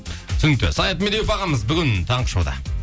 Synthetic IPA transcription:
sʏnɪk̚t̪ːɪ̰sɑjɑt̪med̪ewpɑʁɑməzbʏɡʲɪnt̪ʰɑɴqə̥ʃɑwd̪ɑ̰

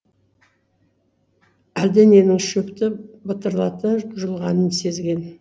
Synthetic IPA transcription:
æld̪ɪne̞nɪŋʃɵpt̪ɪbət̪əɾlˠɑt̪əʒəlˠʁɑnənse̞zɡʲe̞n

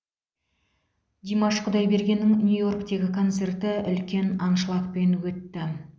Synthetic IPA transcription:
d̪ʲimɑʃqʰʊd̪ɑjbe̞ɾɡʲe̞nːɪŋnʲjujo̞rkt̪e̞ɡʲɪkʰo̞nt̪se̞rt̪ɪʏlkʲe̞nɑnʃəlˠɑq̚pe̞nwɵt̪ːɪ

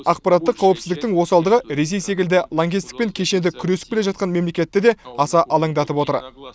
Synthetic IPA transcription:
ɑq̚pɑɾat̪ːəqʰːɑwəpsɪzd̪ɪk̚t̪ɪŋwo̞sɑlˠd̪əʁəɾe̞s̬e̞jse̞k̬ʲɪld̪ɪlˠo̞ŋɡʲist̪ɪ̥k̚pe̞ŋkʲʰe̞ʃe̞nd̪ɪkʲʰʏɾe̞sɪ̥bʲele̞ʒɑt̪̚qɑnme̞mle̞kʲe̞t̪ːɪd̪e̞ɑsɑʔɑlˠɑŋd̪ɑt̪əpwo̞t̪ə̰ɾ

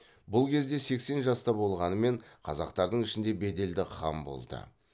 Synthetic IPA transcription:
bʊlˠkʲʰe̞zd̪e̞se̞kse̞nʒɑst̪ɑbo̞lˠʁɑnəme̞ɴqʰɑzɑ̰qt̪ɑɾd̪əɴɪʃɪnd̪e̞be̞d̪e̞ld̪ɪqʰɑ̰mbo̞̰lˠd̪ə̰

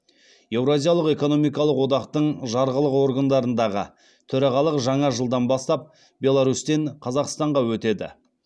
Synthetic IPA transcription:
je̞vɾozʲijɑlˠəqe̞ko̞no̞mijkɑlˠəqwo̞d̪ɑqt̪əɴʒɑɾʁəlˠəqwo̞ɾɡand̪ɑɾənd̪ɑʁə̰ | t̪ʰɵɾɑʁɑlˠəqʒɑɴɑʒəlˠd̪ɑnbɑst̪ɑp̚ | bʲe̞lˠaɾust̪e̞ɴqʰɑzɑqst̪ɑɴʁɑwɵt̪e̞d̪ɪ̰

